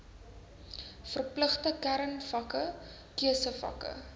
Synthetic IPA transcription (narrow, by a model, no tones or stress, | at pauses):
fərpləχtəkæɾənfɐkə | kiəsəfɐ̰kə̰